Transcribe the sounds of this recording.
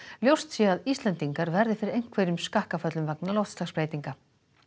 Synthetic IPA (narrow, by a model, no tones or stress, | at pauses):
ljowst̪sjɛaðist̪lɛnt̪iŋkaɾvɛɾðɪfɪɾɪɾejŋ̥kʰvɛːjɾʏmskahkafœt̪lʏmvaknalowht̪slaspɾeːjt̪iŋka